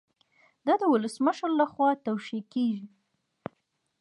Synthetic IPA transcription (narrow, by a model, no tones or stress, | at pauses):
d̪ɑd̪əwʊləsməʃəɾlaxwɑt̪awʃekeʒi